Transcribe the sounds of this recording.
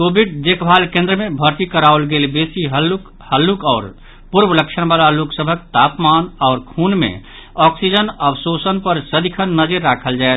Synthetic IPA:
kobʱiɖd͡ʒekbʱalkẽnd̪ɾəmebʱəɾt̪ikəɾalɡelbesiɦəlk | həlːukaːɾ | puɾbələkt͡ʃʰənbalaloksəbʱək̚t̪apmanɔʊɾkʰunmḛ | ɔksid͡ʒənəbsosənpəɾsəd̪ikʰənːəd͡ʒəɾːakʰəld͡ʒaet̪

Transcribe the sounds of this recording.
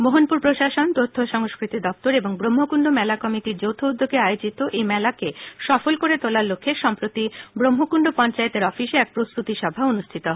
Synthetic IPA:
moɦonpuɾpɾoʃaʃont̪ot̪ʰːoʃɔŋoskɾit̪id̪ɔp̚t̪oɾeboŋbɾomːokuɳɖomɛlakɔmiʈiɾd͡ʑowt̪ʰoud̪ːoɡeajod͡ʑit̪oʔejmɛlakeʃɔfolkoɾet̪olaɾlokʰːeʃɔmpɾot̪ibɾomɦokuɳɖopɔnt͡ɕaet̪eɾɔfiʃeɛk̚pɾost̪ut̪iʃɔbʱaonuʃʈʰit̪o

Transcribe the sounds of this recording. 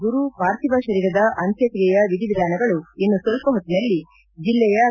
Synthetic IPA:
ɡuɾupaːɾt̪ibaʃɐɾiːɾɐd̪ɐʔɐnt̪jɐkɾiɛjɐʋid̪iʋɾaːnɐɡɐɭuinːusolpɐɦot̪ːinɐlːi | d͡ʒilːɛjɐ

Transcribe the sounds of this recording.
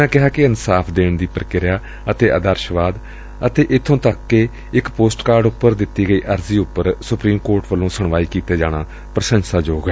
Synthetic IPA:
nãːkɪɦaːkɪənsaːpʰd̪eːɳd̪iːpəɾkɪɾjaː | ət̪eːʔəd̪əɾʃʋaːd̪ | ət̪eːʔɪt̪ʰːõːt̪əkːe | ɪkpoːsʈkaːɾɖʊpːəɾd̪ɪt̪ːiːɡəiːʔəɾziːʊpːəɾsʊpɾiːmkoːɾʈʋəlõːsəɳʋaːiːkiːt̪eːd͡ʒaːɽ̃aː | pɾəʃə̃nsaːd͡ʒoːɡeː

